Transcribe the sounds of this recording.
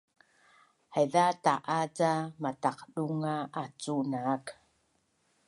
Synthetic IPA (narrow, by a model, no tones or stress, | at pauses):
hajðataʔat͡samataqɗuŋaat͡sunaːk